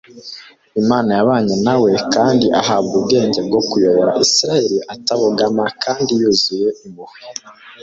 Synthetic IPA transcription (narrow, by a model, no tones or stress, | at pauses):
imaːnajaβaːɲanawe̞kaːndiʔaɦaβɡub̚ɡe̞ːɲɟe̞b̚ɡo̞kujo̞βoɾa̰ʔisiɾajeɾiʔataβoɡamakʰaːndijuzuje̞ʔimuhwi